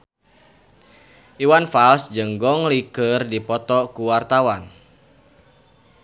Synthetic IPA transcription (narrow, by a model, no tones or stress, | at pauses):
ʔiwanfalsd͡ʒəŋɡɔŋlikərdipɔt̪ɔkuwart̪awan